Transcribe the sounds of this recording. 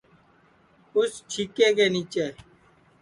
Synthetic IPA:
ʊst͡ʃʰiːkeːkeːniːt͡ʃeː

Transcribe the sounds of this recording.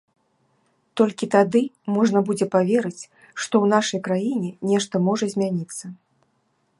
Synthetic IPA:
t̪ɔlʲkʲit̪ad̪ɨmɔʐnɐbud͡zʲɛpavʲeɾɨt͡sʲ | ʂt̪ɔwnaʂɐjkɾajinʲɛnʲɛʂt̪ɐmɔʐɐzʲmʲanʲit̪sːɐ

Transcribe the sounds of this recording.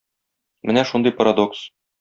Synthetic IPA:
mɘnæʃund̪ɤjpɐɾɐd̪oks

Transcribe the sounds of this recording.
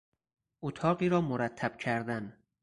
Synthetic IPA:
ʔot̪ʰɒːɢiːɾɒːmoɾæt̪ʰːæb̥̚cʰæɾd̪æn

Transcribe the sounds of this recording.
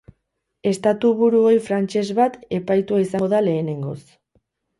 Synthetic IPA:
e̞st̪at̪uβuɾuo̞jfɾant͡ʃe̞zβat̪e̞pajt̪uaisaŋɡoðale̞ːne̞ŋɡo̞̰s

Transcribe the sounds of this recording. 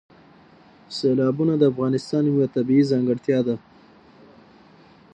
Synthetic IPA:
selɑbunad̪əafɣɑnɪst̪ɑnwat̪abiizɑŋɡəɽt̪jɑd̪a

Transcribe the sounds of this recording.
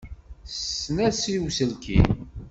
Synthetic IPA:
snæsiwsəlkʰḭ

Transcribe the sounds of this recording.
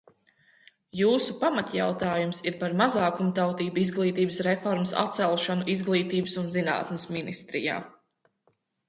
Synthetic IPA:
juːsupamat̪ja̰wt̪aːjumsiɾpaɾmazaːkumt̪awt̪iːbuizɡlˠiːt̪iːbəsɾefɔɾməsa̰t̪sɛlˠʃanuʔizɡlˠiːt̪iːbəsunzina̰ːt̪nɪsminist̪ɾḭja̰ː

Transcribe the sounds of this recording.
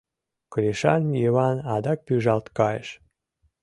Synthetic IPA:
kəlʲeʃɑnjiβɑnɑd̪ɑk̚pyʒɑlt̪kɑjə̰ʃ

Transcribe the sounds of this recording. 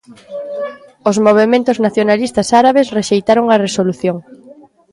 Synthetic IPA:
ozmoβ̞emẽnt̪ʊznaθjonalist̪asaɾaβ̞esreʃejt̪aɾoŋɐresoluθjoŋ

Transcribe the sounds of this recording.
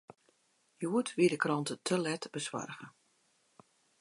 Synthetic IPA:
juətʋiədəkrɔntətʰəlɛtb̥əsʋa̰rɣə

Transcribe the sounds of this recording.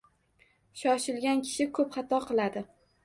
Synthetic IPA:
ʃɒʃɪlɡʲankʲʰɪ̥ʃɪkʰɵpχɑt̪ʰɒqʰɨlˠad̪ɪ

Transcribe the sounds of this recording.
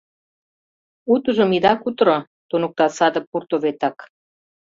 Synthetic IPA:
ut̪uʒə̆mid̪ɑkut̪ɾo | t̪unuk̚t̪ɑsɑd̪ə̆k̚purt̪oβet̪ɑk

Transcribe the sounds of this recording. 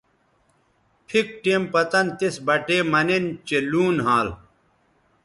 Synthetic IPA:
pʰik̚ʈeːmpɐt̪ɐnt̪isbɐʈeːmɐnent͡ɕeluːnɦaːl

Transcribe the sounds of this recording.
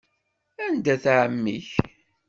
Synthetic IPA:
ænd̪æθʕəmːḭç

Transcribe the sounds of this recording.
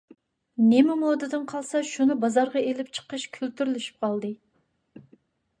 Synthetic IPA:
nemɪmod̪ɨd̪ɨnqʰɑlˠsɑʃunɨbɑzɑɾʁɑelɪpt͡ʃʰə̥qəʃkʲʰølt̪yɾylyʃy̥p̚qʰɑlˠd̪ɨ

